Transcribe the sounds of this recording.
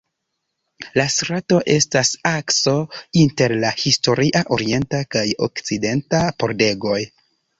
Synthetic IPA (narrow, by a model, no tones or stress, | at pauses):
lasɾato̞ʔe̞stasakso̞inte̞ɾlahisto̞ɾiʔaʔo̞ɾie̞ntakajo̰kt͡side̞ntapo̞ɾde̞ɡo̞j